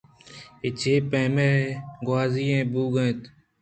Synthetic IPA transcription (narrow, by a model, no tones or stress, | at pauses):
et͡ʃʰeːpẽːmeːɡwaːziːẽːbuːɡət̪